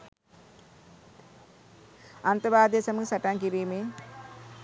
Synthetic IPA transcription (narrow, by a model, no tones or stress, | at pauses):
ɐnt̪ɐɾbaːd̪jesɐmuksɐʈaŋkiɾiːme